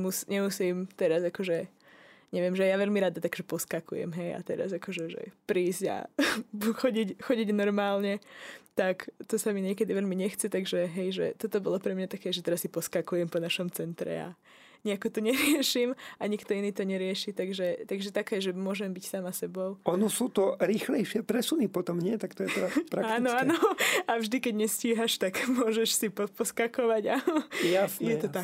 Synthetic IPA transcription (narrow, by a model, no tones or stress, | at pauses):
musɲɛmusiːmt̪ɛɾazakɔʒɛ | ɲɛʋɪɛmʒɛjaʋɛʎmiɾad̪at̪akʒɛpɔskakʰṵjɛ̰mɦɛja̰t̪ɛɾa̰zakɔʒɛʒɛ̰pɾiːzɟa̰ | xɔɟicxɔɟiɟnɔɾmaːlɲɛt̪akt̪ɔsamiɲɪɛkɛd̪iʋɛlmiɲɛxt͡sɛt̪aɡʒɛɦɛjʒɛ̰t̪ɔt̪ɔbɔlɔpɾɛmɲat̪akɛːʒɛt̪ɛɾasːipɔskakujɛmpɔnaʃɔmt͡sɛnt̪ɾɛ̰a̰ | ɲɛakɔt̪ɔɲɛɾɪɛʃiːmaɲikt̪ɔiniːt̪ɔɲɛɾɪɛʃit̪aɡʒɛt̪aɡʒɛt̪akɛːʒɛmʊɔʒɛmbicsaːmasɛbɔʊɔnɔsuːt̪ɔɾiːxlɛjʃɪɛpɾɛsunipɔt̪ɔmɲɪɛt̪akt̪ɔjɛɾapɾaaːnɔaːɔavʒd̪ikɛɟɲɛsciːɦaʃt̪akmʊɔʒɛʃsipɔpɔskakɔʋaɟajasɲjɛɛt̪ɔt̪ak